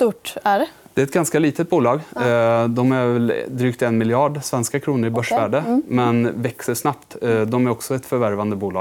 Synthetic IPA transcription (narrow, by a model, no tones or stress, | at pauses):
t̪uʈæɖɛ | d̪ɛæɾɛt̪ɡanskaliːt̪ət̪̚buːlɑːɡd̪ɔmæɛld̪ɾyːkt̪ɛnmɪljɑːɖsvɛnskakʰɾuːnəɾɪbœʂvæːɖəmɛnvɛksəʂnap̚t̪d̪ɔmæɾɔksɔɛt̪fœɾvæɾvand̪əbuːlɑ̰ː